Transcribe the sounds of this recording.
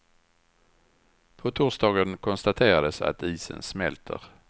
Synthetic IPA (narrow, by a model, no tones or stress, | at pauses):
pʰɔt̪ʰuːsd̪ɑːɡənkʰɔnst̪at̪ʰeːɾad̪əsa̰t̪iːsə̰nsmɛlt̪ʰə̰ɾ